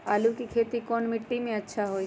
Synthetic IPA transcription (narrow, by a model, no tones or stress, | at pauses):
aːlukikʰeːt̪ikɔnmɪʈːimẽətːʃʰaɦoi